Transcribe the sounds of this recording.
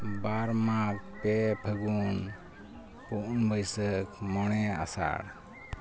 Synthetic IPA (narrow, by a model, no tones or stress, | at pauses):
baɾmak̚pɛpʰəɡun | puʔnbʱəjsəkmɔɽ̃ɛa̰sa̰ɽ